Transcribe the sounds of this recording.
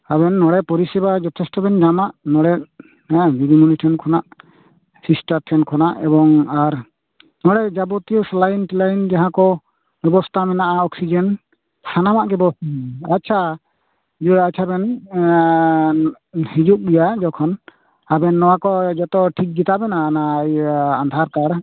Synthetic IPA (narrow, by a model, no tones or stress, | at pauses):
abɛnːɔɽɛpɔɾisɛbad͡ʒɔt̪ʰɛstɔbɛnd͡ʒamaʔnɔɽɛʔ | ɛ̃ɡiɡimuniʈʰɛnkʰɔnaʔ | sisʈaɾʈʰɛnkʰɔnaʔɛbɔŋaɾ | nɔɽɛd͡ʒabɔt̪ijɔslajnʈilajind͡ʒaɦãkɔ | bɛbɔst̪ʰamɛnaʔaɔksid͡ʒɛn | sʰanamaʔɡɛbɔsatːt͡ʃʰa | d͡ʒuat͡ʃʰabɛn | hid͡ʒuk̚bijad͡ʒɔkʰɔn | abɛnːɔwakɔd͡ʒɔt̪ɔʈʰik̚d͡ʒit̪abɛnanaːjand̪ʱaɾkaɾ